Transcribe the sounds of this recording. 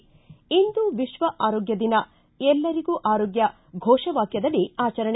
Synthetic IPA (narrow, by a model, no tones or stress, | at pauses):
ind̪uʋiʃʋɐʔaːɾɔːɡjɐd̪inɐ | ɛlːɐɾiɡuːʔaːɾɔːɡjɐ | ɡʱɔːʃɐʋaːkjɐd̪ɐliaːt͡ʃɐɾɐɳɛ